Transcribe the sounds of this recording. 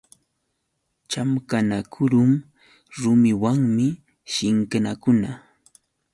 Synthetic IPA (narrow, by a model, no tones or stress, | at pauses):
t͡ʃamkanakʰʊɾʊm | ɾʊmɪwaŋmɪ | ʃɪŋkanakʊna